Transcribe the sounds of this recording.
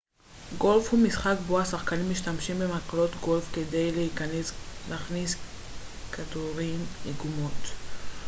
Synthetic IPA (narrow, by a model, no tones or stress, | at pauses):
ɡo̞lfhumisχakboasaχkanimːiʃtamʃimbemaklo̞t̪ɡo̞lfkede̞jleikanesleːχnis | kʰaduʁimeɡumot